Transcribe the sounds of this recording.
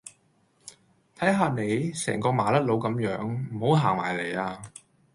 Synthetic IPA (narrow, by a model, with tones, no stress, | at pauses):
t̪ʰɐ˨˥jɦaː˧ne˨˧jsɛ̰ː˨˩ŋkɔː˧maː˨˥lɐ˥t̚lo˨˧˥wkɐ˨˥mjœː˨˥ŋm̩˨˩ho˨˥wɦaː˨˩ŋma̰ː˨˩jle˨˩jaː˧